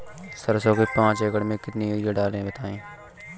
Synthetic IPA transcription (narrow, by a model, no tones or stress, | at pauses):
sɐɾsõːkipãːt͡ʃeːkəɽmẽkɪt̪nijeɖaːlẽbɐt̪aːẽː